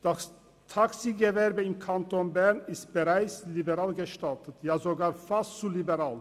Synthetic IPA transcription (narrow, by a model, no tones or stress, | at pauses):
d̥as | tʰaksiːɡəvɛʁbəɪmkʰantʰoːnbɛʁnɪstb̥əʁaɪt͡slibəʁaːlɡəʃtʰaltʰətʰjaːzoɡaːɾfast͡sulibəʁaːl